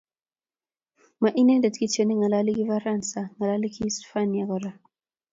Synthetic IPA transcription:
ma˨ʔi˦na˦dɛ˨dki˦t͡ʃɛ˨ni˦ŋa˨la˦li˦ki˦va˦ɾa˦˨nsa˨ŋa˨la˦li˦kʰi˦sfa˦nja˨ɡɔ˨ɾa˨

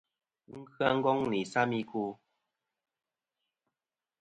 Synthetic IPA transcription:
ŋ̩˦kʰɰa˦ŋ̩˦ɡɔ˦ŋni˨sa˦mi˦ku˦

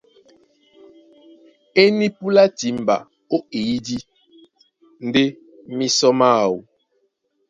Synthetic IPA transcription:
e˦ni˦pu˦la˦ti˨˦m˨ba̰˨ | o˦i˨i˦di˦ | n̩˦de˦ | mi˦sɔ˦ma˦˨wu˨

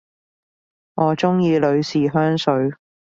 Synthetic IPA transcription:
ŋʔɔː˨˧t͡sʊ˥ŋjiː˧lɵ˨˧ɥsiː˨ɦœː˥ŋsɵ˨˥ɥ

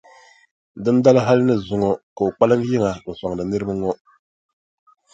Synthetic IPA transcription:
dɨ˦n˦da˦la˦ɦa˦lɪ˦nɨ˦zʊ˨ŋɔ˨ka˨u˨k͡pa˦lɨ˦m˦ji˦ŋa˨n̩˨sa˨ŋ˨dɨ˨nɨ˦ɾɨ˦ba˦ŋɔ˦

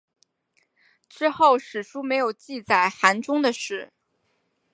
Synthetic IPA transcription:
ʈ͡ʂɻ̩˥xo˥˩ʊʂɻ̩˨˩ʂu˥me˧˥ɪjo˨˩ʊt͡ɕi˥˧t͡sa˨˩ɪxa˧˥nʈ͡ʂʊ˥ŋd̪ə˨ʂɻ̩˥˩

